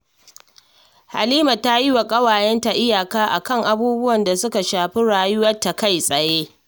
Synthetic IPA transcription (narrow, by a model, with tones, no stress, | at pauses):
ha̰˨liː˦ma˨ta˦ji˦wa˨kʼɐ˦waː˨jɛ˦nta˨ʔɪ˦jaː˨kaː˦ʔa˨kɐ˦ŋʔa˨buː˦bʊ˦wɐ˨nda˨sʊ˦ka˨ʃaː˨ɸi˦ɽaː˨jʊ˦wɐ˦tːa˨ka˦˨jsʼɐ˨jeː˦